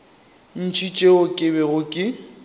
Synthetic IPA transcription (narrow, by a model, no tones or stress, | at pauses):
n̩t͡ʃʰit͡ʃʼeʊkʼɪbɛɣʊkʼɪ